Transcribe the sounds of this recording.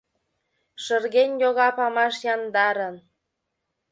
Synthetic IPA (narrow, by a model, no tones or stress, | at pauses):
ʃərɣenʲjoɣɑpɑmɑʃjɑnd̪ɑɾən